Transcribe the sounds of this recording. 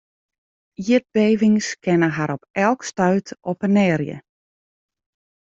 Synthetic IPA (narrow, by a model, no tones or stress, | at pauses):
iəd̚beːʋɪŋskɛnəɦaɾɔpɛlˠkstœɥtɔpənɛːɾjə̰